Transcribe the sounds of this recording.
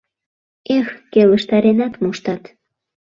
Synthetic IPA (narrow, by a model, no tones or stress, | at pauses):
exkeləʃt̪ɑɾenɑt̪moʃt̪ɑt̪